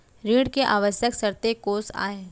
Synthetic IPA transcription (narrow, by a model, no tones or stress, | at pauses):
ɾiːɽkeʔaːʋəsjəksɐɾt̪ekoːsa̰ːeː